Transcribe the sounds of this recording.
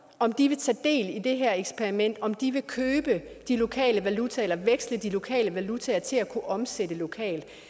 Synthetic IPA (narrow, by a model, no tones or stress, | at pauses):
ɒ̽md̥iʋe̝t͡sʰɛ̰ːd̥e̝̰ːlid̥e̝ɦæɐ̰eɡ̥spʰeɐʁimen̰d̥ɒ̽md̥iʋe̝kʰøːb̥əd̥ilo̝kʰɛ̰ːləʋælut͡sʰæelɐʋeɡ̥sləd̥ilo̝kʰɛ̰ːləʋælut͡sʰæɐt͡sʰe̝lækʰuʔɒ̽mseɾ̥əlo̝kʰɛ̰ːld̥